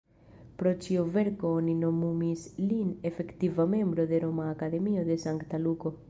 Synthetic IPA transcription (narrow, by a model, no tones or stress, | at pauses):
pɾo̞t͡ʃiove̞ɾkoonino̞mumisline̞fe̞ktivame̞mbɾo̞d̪e̞ɾo̞maːkad̪e̞mio̞d̪e̞saŋkt̪aluko̞